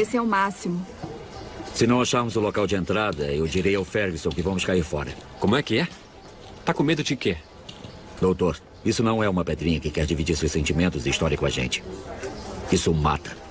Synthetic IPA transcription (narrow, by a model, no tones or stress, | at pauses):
esɪɛʊmasimʊ | sɪnɐ̃w̃aʃaɾmʊzʊlokawd͡ʒɪẽnt̪ɾad̪ɐewd͡ʒiɾejawfɛɾɡisõw̃kɪvɐ̃mʊskaiɾfɔɾɐ̰kõmʊɛkɪɛ | t̪akõmed̪ʊd͡ʒɪke | d̪owt̪oɾ | isʊnɐ̃w̃ɛũmɐped̪ɾĩɲɐkɪkɛɾd͡ʒivid͡ʒiɾsewsẽnt͡ʃimẽnt̪ʊzɪist̪ɔɾiɐkʊaʒḛ̃nt͡ʃɪ̥ | isʊma̰t̪ɐ̥